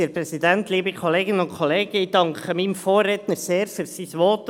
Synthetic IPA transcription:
iɾprɛsidæntliːbəkʰɔleːɡɪnənʊnkʰχɔleːɡəɪd̥ɑŋkχəmimfoːret̪nəɾseːɾfyːɾsisʋɔːt

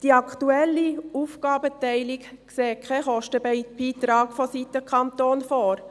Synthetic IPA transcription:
d̥iɑktuɛlːiuːfɡɑːbətɛɪlik | kseːkʰɛχɔʃtəbb̥iːt̪ɾɑːɡfɔsitəkʰɑntoːnfoːɾ

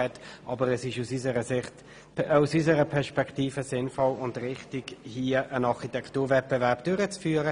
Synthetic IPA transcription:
ɛtʔɑbəʁɛsɪʃusysəəɪt | usys̬əɾəpʰɛɐʃpɛktiːfəsɪnfɔlʊndʁɪχtɪɡhiːəʔənɑʁχitɛktuːɐvɛt̚b̥ɛvɛʁp̚d̥øʁət͡sfyːɾə

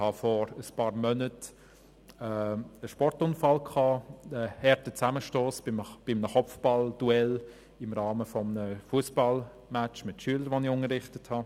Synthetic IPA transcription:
hɑfɔɾəspɑːɾmœnət | ɛəʃpɔrtʊnfɑlkʰɑːɛhɛɾtət͡sæməʃtoːsb̥ɪmnəχɔfb̥ɑld̥uɛl | ɪmɾɑːməfɔmənəfuəsb̥ɑl | mæt͡ʃmɪtʃyːələɾʋoniʊnəɾɪχtəthɑ

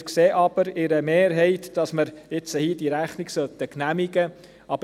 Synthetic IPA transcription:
kseːʔɑb̥əɾɪɾəmeːɾɦɛɪt̪d̥ɑsməɾɪt͡səhiːd̥iɾæχniksœt̪əknæmiɡə | ʔɑb

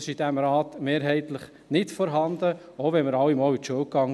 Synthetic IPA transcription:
sid̥æmɾɑːtmeːɾɦɛɪtləχ | nɪtfɔɾɦɑnd̪əoʊvɛnməɾɑwimɔːlit̪ʃuəwkɑŋ

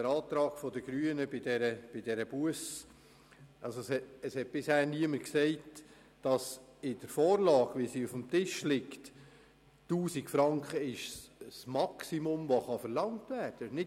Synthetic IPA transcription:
əɾɑːt̪ɾɑːɡ̥fɔdəɡ̥ɾyːənəbɪdɛɾəb̥ɪdɛɾəb̥uəs | ʔɑlsoshɛtəshɛt̚b̥ɪshæːɾniəməksɛɪt | d̥ɑsɪd̥əɾfoːɾlɑːɡ̥ʋisiufəmt̪ɪʃlɪkt | tuːsikfɾɑŋkχəɪʃssmɑksimʊmvoχɑfəɾlɑŋtʋæːɾd̥ənɪ

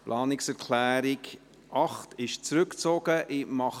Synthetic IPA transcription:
plʔɑːnɪksɛʁkʰlɛːɾɪk | ʔɑχtʰɪʃt͡sɾʏkt͡soːɡ̥əʔɪmɑχ

